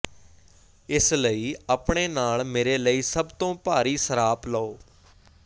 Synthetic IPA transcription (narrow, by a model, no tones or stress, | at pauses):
ɪsləiːəːpɳeːnaːɭmeːɾeːləiːsəbt̪õːpaːɾiːsəɾaːpləoː